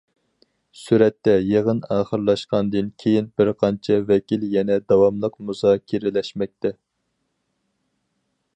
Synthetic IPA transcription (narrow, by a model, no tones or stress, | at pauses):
syɾɛt̪ːɛjeʁənɑːχəɾlˠɑʃqɑnd̪ɨnkʲʰejinbɪɾqʰɑnt͡ʃʰɛvɛkʲiljɛnɛd̪ɑwɑmlˠəqmuzɑkʲʰeɾɪlɛʃmɛk̚ʲt̪ɛ